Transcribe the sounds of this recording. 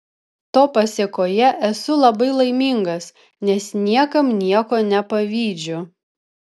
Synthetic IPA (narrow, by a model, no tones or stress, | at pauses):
t̪oːpɐsʲekoːjɛʔɛsʊlˠɐbɐɪlˠɐɪmʲiŋɡɐs | nʲɛsnʲiɛkɐmnʲiɛkoːnʲɛpɐʋʲiːd͡ʒʲʊ